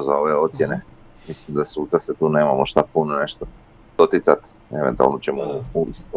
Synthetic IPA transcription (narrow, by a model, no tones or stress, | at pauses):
zao̞ʋeo̞t̪sjene | mislimd̪asuːt̪saset̪uːneːmamoʃt̪apunone̞ʃt̪o | d̪̥ot̪it̪sat̪ | e̞ʋent̪ua̰lnot͡ɕemouis